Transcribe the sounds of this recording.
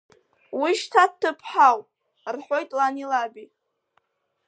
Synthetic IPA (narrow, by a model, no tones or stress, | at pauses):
wiʃtʰat̚tːɨpʰħaw | rħʷo̞jtʼlanilabi